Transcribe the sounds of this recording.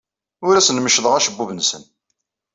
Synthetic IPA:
ʊɾæsənməʃðˤʁæʃəbːuvənsə̰n

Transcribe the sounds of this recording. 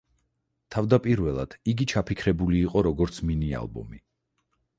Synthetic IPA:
t̪ʰavd̪apʼiɾvɛlˠa̰d̪̥iɡit͡ʃʰapʰikʰɾɛbuliːqʼɔɾɔɡɔɾt̪sʰminia̰lˠbɔ̰mi

